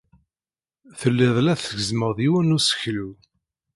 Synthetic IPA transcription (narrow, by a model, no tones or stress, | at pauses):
θəlːɪðˤlæθəɡəzməʁðˤiwænusə̥çlu